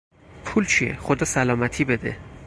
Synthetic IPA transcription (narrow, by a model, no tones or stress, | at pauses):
pʰuːlt͡ʃʰiḛxod̪ɒːsælɒːmæt̪ʰiːbed̪ḛ